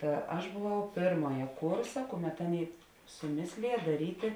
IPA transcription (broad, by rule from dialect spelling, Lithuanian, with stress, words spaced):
ˈtɐ ɐʃ bʊˈʋɐʊ ˈpʲeːrmoːjɛ ˈkʊrsɐ ˈkʊˌmʲɛt ˈɑːˌnʲeːɪ sʊˈmʲeːsʲlʲɪjɛ dɐˈrʲiːtʲeː